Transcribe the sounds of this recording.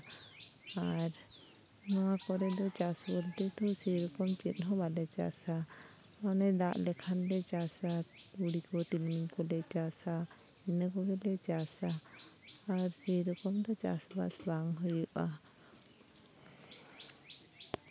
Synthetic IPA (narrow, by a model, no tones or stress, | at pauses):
aɾ | nɔwakɔɾɛd̪ɔt͡ʃasbɔlt̪ɛt̪ʰɔsɛjɾɔkɔmt͡ʃit̪̚ɦɔ̃balɛt͡ʃa̰sa | ɔnɛd̪aʔlɛkʰanlɛt͡ʃasauɽikɔt̪ilmiɲkɔlɛt͡ʃasa | inəkɔɡɛlɛt͡ʃasaː | ɾsɛjɾɔkɔmd̪ɔt͡ʃa̰sba̰sbaŋɦujuʔa